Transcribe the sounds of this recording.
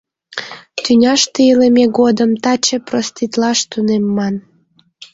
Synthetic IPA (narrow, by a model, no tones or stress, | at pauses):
t̪ynʲɑʃt̪eilemeɣod̪əmt̪ɑt͡ɕĕprost̪it̪lɑʃt̪unemːɑn